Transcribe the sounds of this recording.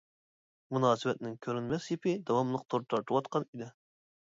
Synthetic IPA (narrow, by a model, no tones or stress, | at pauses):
munɑːsɨwɛt̪̚nɪŋkʲʰøɾynmɛsjipʰɪd̪ɑwɑmlˠəq̚t̪ʰoɾt̪ʰɑɾt̪ʰuwɑt̪qɑnid̪ɪ